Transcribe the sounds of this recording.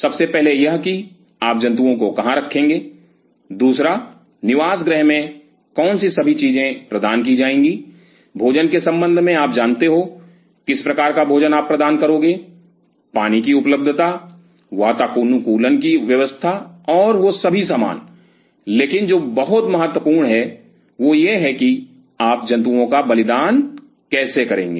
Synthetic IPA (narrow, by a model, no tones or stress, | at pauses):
sɐbsepɛɦlejɐɦki | aːp̚d͡ʒɐ̃nt̪uõkokɐɦãɾɐkʰːẽːŋɡeː | d̪uːsɾa | nɪʋaːsɡɾɛɦmẽ | kɔːnsisɐbʱit͡ʃiːzẽpɾɐd̪aːnk̬id͡ʒaːẽːŋɡi | bʱoːd͡ʒənkesɐ̃mbə̃nd̪ʱmẽaːp̚d͡ʒaːnt̪eɦo | kɪspɾɐkaːɾkabʱoːd͡ʒənaːpːɾɐd̪aːnkəɾoːɡeː | paːnikiʊpləb̚d̪ʱət̪a | ʋaːt̪aːkuːnukuːlənkiʋjəɐʋəst̪ʰaɔːɾʋosɐbʱisaːma̰ːn | leːkɪnd͡ʒoːbɐɦʊt̪mɐɦət̪ːwəpuːɾɳɦɛ | ʋojeɦɛki | aːp̚d͡ʒɐ̃nt̪̬uõkabɐlɪd̪aːn | kɛːsekɐɾẽːŋɡḛː